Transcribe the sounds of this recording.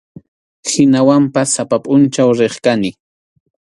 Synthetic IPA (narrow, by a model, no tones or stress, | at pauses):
hɪnawampasːapapʼʊnt͡ʃawɾeχkanɪ